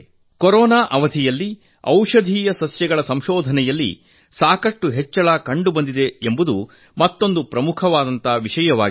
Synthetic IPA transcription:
kɔɾɔːnaːʔɐʋɐd̪ʱijɐlːi | ɐ̰wʂɐd̪ʱiːjɐsɐsjɛɡɐɭɐsɐmʃɔːd̪ʱɐnɛjɐlːḭ | saːkɐʂʈuɦɛt͡ʃːɐɭaːkɐɳɖubɐnd̪id̪e̞embud̪u | mɐt̪ːo̞nd̪upɾɐmukʰɐʋaːd̪ɐnt̪aʋiʂɐjɐʋaːɡi

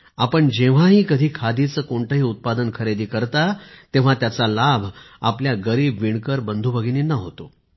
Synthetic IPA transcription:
apəɳd͡ʑeʋ̤aɦiːkəd̪ʱiːkʰad̪ʱit͡səːkoɳt̪əɦiːut̪̚pad̪ənkʰəɾed̪iːkəɾt̪at̪ẽʋ̤at̪jat͡salabʱ | a̰pljaɡəɾiːbʋiɳkəɾbənd̪ʱubʱəɡiniːnəɦot̪o

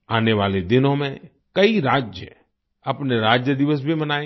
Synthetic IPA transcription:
aːneʋaːled̪ɪnõmẽ | kɐiɾaːd͡ʒjə̰ | ɐpneɾaːd͡ʒjəd̪ɪʋəs̬bʱimənaːẽ

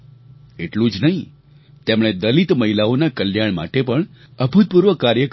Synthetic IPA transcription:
eʈlũd͡ʒnəɦĩ | t̪emɽ̃ed̪əlit̪məɦilaonakəljaɳma̰ʈepəɳəbʱut̪̚puɾʋəkaɾjək

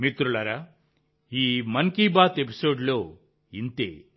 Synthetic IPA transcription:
mit̪ɾuɭɐɾa | iːmɐŋkiːbaːt̪epi̥soːɖloː | int̪ḛː

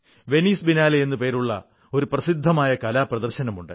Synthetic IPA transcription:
ʋe̞niːsbinaːlɐjenːupe̞ːɾuɭːɐ̰ | o̞ɾuprɐsid̪ʱːɐmaːjɐkɐlaːprɐðɐrɕɐnɐmuɳɖɨ

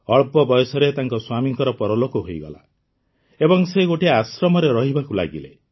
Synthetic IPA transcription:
ɔɭpɔbɔjɔsɔɾet̪aŋkɔswamiŋkɔɾɔpɔɾɔlokɔɦojɡɔ̰la̰ | ebɔŋseɡoʈiasɾɔmɔɾeɾɔɦibakula̰ɡile

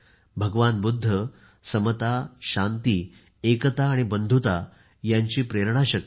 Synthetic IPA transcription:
bʱəɡʋanbud̪ʱːə | səmət̪aɕant̪iː | ekət̪aːɽ̃ibənd̪ʱut̪a | jaɲt͡ɕiːpɾeɾɳ̃aɕək

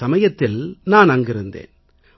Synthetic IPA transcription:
ɐmɐjɐt̪ːɪlnaːnɐŋɡɪɾɯnd̪ḛːn

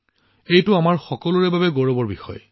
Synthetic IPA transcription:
ejtʊamaɹxɔkɔlʊɹɛbabɛɡoɹɔbɔɹbixɔ̰j

